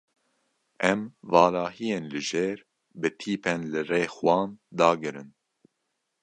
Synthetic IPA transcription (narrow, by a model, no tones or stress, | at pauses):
ɛmvɑːlɑːɦijeːnlɨʒeːɾ | bɨt̪ʰiːpʰenlɨreːxwɑːnd̪ɑːɡɨɾɨn